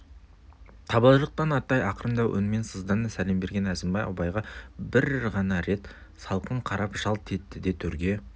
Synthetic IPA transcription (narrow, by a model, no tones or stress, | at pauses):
t̪ʰɑbɑlˠʒˠəq̚t̪ɑnɑt̪ːɑjɑqəɾənd̪ɑwʔɵ̰nme̞nsəzd̪ɑnəsæle̞mbe̞ɾɡʲe̞næzɪmbɑjɑ̰bɑjʁɑbɪɾʁɑnɑɾe̞t̪ | sɑlˠqəɴqʰɑɾɑpʒɑlˠt̪ʰe̞t̪ːɪd̪e̞t̪ʰɵɾɡʲe̞